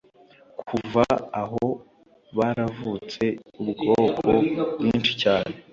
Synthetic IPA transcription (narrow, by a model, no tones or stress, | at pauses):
kʰuvaaɦo | βaɾavut͡se̞ubɡo̞ːkʰobjiːnt͡ʃi̥caːne̞